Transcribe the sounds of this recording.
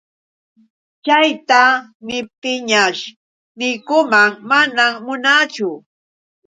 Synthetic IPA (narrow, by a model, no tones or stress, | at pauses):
t͡ʃajt̪anɪp̚t̪ɪɲaʃ | nɪjkʊmaŋmanammʊnaːt͡ʃʊ